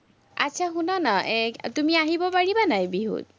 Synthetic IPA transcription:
a̰tːt͡ʃʰaɦunanaet̪umiaɦibɔpaɽibanajbiɦṵt̪̚

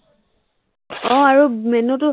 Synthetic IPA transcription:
ɔ̃aɹumɛnɔtʊ

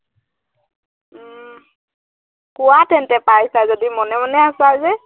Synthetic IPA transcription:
kʊwatɛntɛpajsazodimɔnɛmanɛasazɛ

